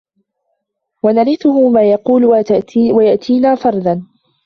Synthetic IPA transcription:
wanaɾɪθʊɦʊmaːjɑquːlwawajaʔt̪ʰiːnaːfɑɾˤd̪ˤɑn

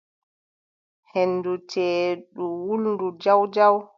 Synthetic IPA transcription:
henːdutʰɛːɗuwulndud͡ʒawd͡ʒaw

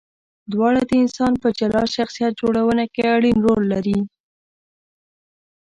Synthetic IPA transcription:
d̪wɑɽad̪əɪnsɑnpəd͡ʒalɑʃaxsijat̪̚d͡ʒoɽawənakeaɽinɾolːaɾi

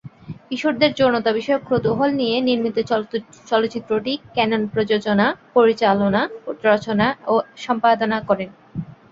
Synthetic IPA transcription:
piʃoʈd̪eɾd͡ʑoɾnot̪abiʃɔeokːɾot̪uɦolnijeniɾmit̪ot͡ɕɔlot̪ːɕit̪ːɾoʈikɛnonpɾod͡ʑod͡ʑonapoɾit͡ɕalonaoɾɔt͡ɕonaoʃɔmpad̪onakɔɾen

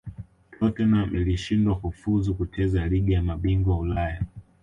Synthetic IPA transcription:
kʰlɔtɔnamiliʃindwakufuzukut͡ʃɛzaliɠijamaɓiŋɡwaulaja

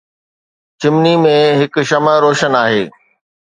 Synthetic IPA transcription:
t͡ɕɪmnimẽɦɪk̆ʃɐməɾoːʃənaːɦeː

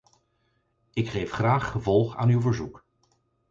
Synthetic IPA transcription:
ɪkχejfχraːχχəvɔlˠχa̰ːnywvəɹzuk

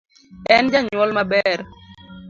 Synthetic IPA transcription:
ɛnd͡ʒaɲwɔlmabɛɾ

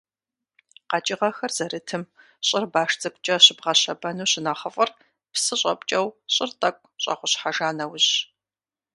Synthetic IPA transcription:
qɑt͡ʃʼɪʁɐxɐrz̥ɐɾɨtʰɨm | ɕʼɪrbaːʂt͡sʼɐkʷʼt͡ʃʼɐɕɪbʁɐɕɐbɐnuːɕɪnaχəfʼɐr | psɨɕʼɐ̰pʷʼt͡ʃʼɐwɕʼɪrtʼɐkʷʼɕʼɐ̰ʁʷʊɕħaʒaːnɐwʑ

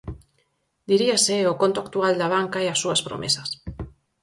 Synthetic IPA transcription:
d̪iɾiaseoko̞nt̪oakt̪uald̪aβ̞aŋkaeasuaspɾo̰mʔesas

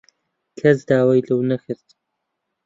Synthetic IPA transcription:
kʰɐzd̪aːwajlɨwnɐxɨɾt̪

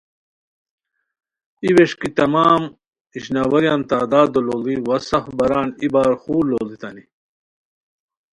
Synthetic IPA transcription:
iweʂkit̪ɐmaːm | iɕnaːwɐɾjaːnt̪aːd̪aːd̪ololiwɐsɐfbɐɾaːnibaːɾxuːɾloːlit̪ɐni

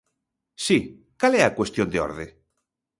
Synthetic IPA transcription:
si | kaleakwest̪jond̪eɔ̰ɾðe

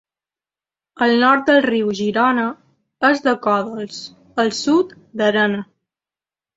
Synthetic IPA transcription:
əlˠnɔɾt̪̚d̪əlˠriwʒiɾɔnə | əzd̪əkɔðəlˠs | əlˠsut̪ | d̪əɾənə

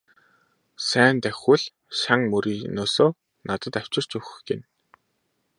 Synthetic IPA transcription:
sæːnt̪æxʲuɮ | ʃaŋmɵɾiːnoːsoː | nat̪ə̆t̪aw̥t͡ɕɪ̆r̥t͡ɕɵxɡen

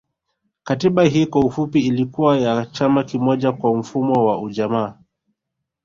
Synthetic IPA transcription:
katiɓaɦiːkwaufupiilikuwajat͡ʃamakimɔʄakwam̩fumɔwauʄamaː

